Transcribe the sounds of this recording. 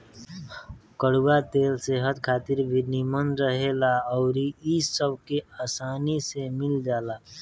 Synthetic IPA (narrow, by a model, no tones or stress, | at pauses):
kəɽuwat̪eːlseɦət̪kʰaːt̪iɾbʱinimənɾəɦelaɔʊɾiisəb̚ʱkeaːsaːnisemɪld͡ʒaːla